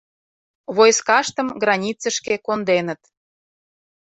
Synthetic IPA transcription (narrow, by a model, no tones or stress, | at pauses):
βojskɑʃt̪ə̆mɡrɑnʲit͡sə̆ʃkekond̪enə̆t̪